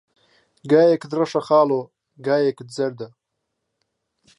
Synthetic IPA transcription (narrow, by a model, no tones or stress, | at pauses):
ɡaːjekɨt̪rɐʃɐxaːloː | ɡaːjekɨt̪zɐɾd̪ɐ